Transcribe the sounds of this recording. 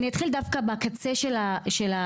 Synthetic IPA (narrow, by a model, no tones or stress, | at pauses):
nijat̪χild̪afkabakat͡seʃelaʃela